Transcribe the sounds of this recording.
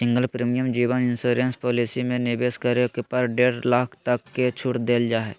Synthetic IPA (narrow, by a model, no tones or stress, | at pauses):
sɪ̃ŋɡəlpɾiːmijəmd͡ʒiːʋənɪnsuːɾenspoːlisimẽnɪbeːskɐɾekepɐɾɖeːɽlaːkʰt̪ɐkːet͡ʃʰʊʈd̪eːld͡ʒaːɦɛː